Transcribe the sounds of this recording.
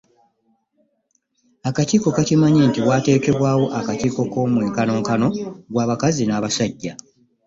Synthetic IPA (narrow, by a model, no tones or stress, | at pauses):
akatiːko̞katimaɲentiwaːte̞ːke̞βwaːwo̞ʔakatiːko̞ko̞mweːŋkano̞ŋkano̞ɡwaːβakazinaːβasaɟːa